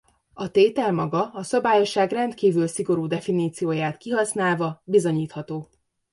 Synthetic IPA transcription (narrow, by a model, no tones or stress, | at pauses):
ɒt̪eːt̪ɛlmɒɡɒɒsɒbaːjo̞ʃaːɡrɛnt̪kiːvylsiɡo̞ɾuːd̪ɛfiniːt̪sijoːjaːt̪kiɦɒsnaːlvɒbizo̞ɲiːt̪hɒt̪oː